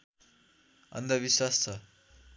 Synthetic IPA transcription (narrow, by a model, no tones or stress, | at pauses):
ʌ̰nd̪ʌβiswast͡sʰʌ